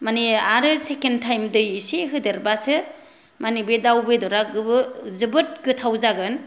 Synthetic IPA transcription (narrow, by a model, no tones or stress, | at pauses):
maniaɾɯsekentʰajmdɯjseɦɯdɯɾbasɯ | manibedawbedɔɾaɡɯbɯzɯbɯt̚ɡɯtʰawzaɡɯn